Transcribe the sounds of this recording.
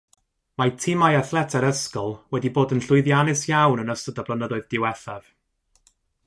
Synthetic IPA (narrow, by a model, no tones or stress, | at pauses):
majtʰɪmajaθlɛtʰɛɾəskɔlˠwɛdiboːdənɬʊɨðjanɪsjawnənəstədablənədɔɨðdɪwɛθav̥